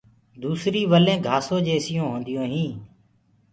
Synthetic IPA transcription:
d̪uːsɾiːʋəlẽːɡʱaːsoːd͡ʒeːsɪjõːɦõːnd̪ɪjõːɦĩː

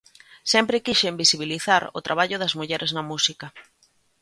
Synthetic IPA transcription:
sɛmpɾɪkiʃembisiβ̞iliθaɾʊ̰t̪ɾaβaʎʊðɐzmuʎɛɾʔeznɐmusikɐ

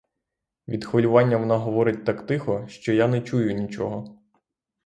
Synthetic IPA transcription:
ʋʲid̪xʋɔlʲʊʋɑnʲːɐʋɔnɑɦɔʋɔɾɪt̚ʲt̪ɑkt̪ɪxɔʃt͡ʃɔjanɛt͡ʃujʊnʲit͡ʃɔɦɔ

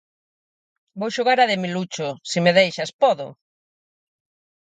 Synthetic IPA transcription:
bowʃoɣaɾaðɪmilut͡ʃʊsimeðejʃɐspɔðʊ̰

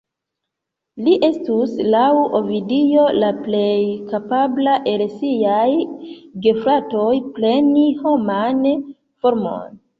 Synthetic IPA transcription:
liʔe̞stuslawovidijo̞laple̞jkapablaʔe̞lsijajɡe̞fɾato̞jple̞niho̞man | fo̞ɾmo̞̰n

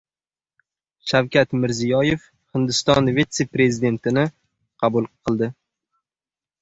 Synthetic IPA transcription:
ʃawkʲʰat̪mɪɾzijɒje̞f | hɪnd̪ɪst̪ɒnvet̪se̞pɾe̞zid̪e̞nt̪ʰɪnɪ | qʰɑbʊlˠqʰɨlˠd̪ɪ

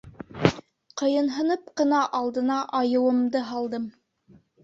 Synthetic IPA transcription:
qɤ̆jɤ̆nɦɤ̆nɤpqɤ̆nɑʔɑlˠd̪ɤ̆nɑʔɑjɤ̆wɤ̆md̪ɤɦɑlˠd̪ɤm

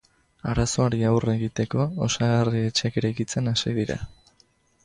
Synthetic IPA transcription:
aɾaso̞aɾiawre̞ɣit̪e̞ko̞osaɣarie̞t͡ʃeakeɾajkit͡se̞nasiðiɾa̰

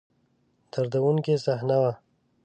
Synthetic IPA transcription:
t̪aɾd̪awunkesahnawa

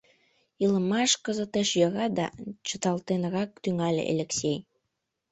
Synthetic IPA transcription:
ilˠə̆mɑʃkɤ̆zɤ̆t̪eʃjɑɾɑd̪ɑ̰t͡ɕə̆t̪ɑlˠt̪enɤɾɑk̚t̪yŋælʲḛʔḛlʲeksʲej

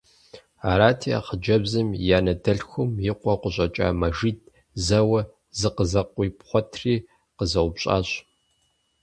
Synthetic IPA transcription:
aːɾaːtʰia̰χəd͡ʒɐbzɨmjaːnɐdɐɬxʷʊmjɪqʷɔqʷʊɕʼɐt͡ʃʼa̰ːmɐʒid̚ | zɐwɐ | zɨqəzɐqʷʼiːpχʷɔtʰriː | qəzɐwbɕʼa̰ːɕ

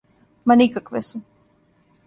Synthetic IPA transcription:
manikakʋesu

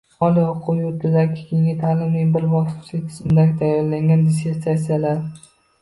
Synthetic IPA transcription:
ɒlˠiʊqʰːʊjoɪzakʲʰɪkʲʰeŋʲɪt̪ʰaːlɪmlɪŋbɪɾbɒsɪ̥t͡ʃlɪkʲt̪ʰɪ̥zmɪd̪aɡʲɪt̪ʰajɒɾlaŋɡʲand̪es̬ʲepsat̪sijalaɾ

